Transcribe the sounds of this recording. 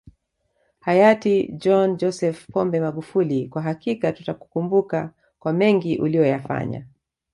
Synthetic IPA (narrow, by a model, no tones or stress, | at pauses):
hajatid͡ʒɔnd͡ʒɔsɛfpɔmbɛmaɠufulikwaɦakikatutaku̥kumbuka | kwamɛŋɡiʔulijɔjafa̰ɲa̰